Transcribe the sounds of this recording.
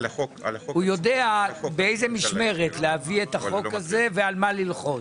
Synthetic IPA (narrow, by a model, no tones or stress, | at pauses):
hujo̞deabeejzemiʃme̞ʁet̪leaviet̪aχo̞kaze̞vealmalilχo̞